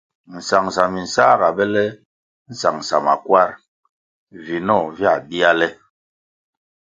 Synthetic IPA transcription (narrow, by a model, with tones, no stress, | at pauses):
n̩˨sa˨ŋsa˨mi˨n̩˨saː˦ɡa˨bɛ˦lɛ˦ | n̩˨sa˨ŋ̩˨sa˨ma̰˨kwa˦˨ɾ | vi˨nɔ˦˨vja˦˨bi˦a˦lɛ˦